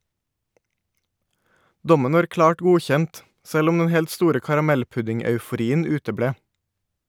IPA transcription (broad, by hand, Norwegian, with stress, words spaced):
ˈdɔmən ˈʋɑːɾ ˈklɑːʈ ˈɡuːˌçɛnt ˈsɛl ˈʊm ˈdɛn ˈhɛlt ˈstuːɾə kɑɾɑˈmɛlˌpʉdɪŋœʉfʊˌɾiːən ˈʉːtəˌbɽeː